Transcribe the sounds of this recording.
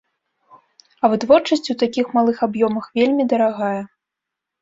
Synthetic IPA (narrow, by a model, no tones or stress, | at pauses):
ɐvɨt̪vɔrt͡ʂɐsʲt͡sʲuwt̪akʲixmalˠɨxabjɔmɐxvʲelʲmʲid̪ɐɾaɣajɛ